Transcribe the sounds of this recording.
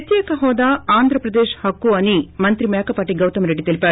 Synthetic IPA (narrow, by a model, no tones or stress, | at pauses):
t̪jeːkɐɦɔːd̪aaːnd̪ʱɾɐpɾɐd̪eːʃhɐkːuɐnimɐnt̪ɾimeːkɐpaːʈiɡɐwt̪ɐmɾeɖːit̪ilipaːɾ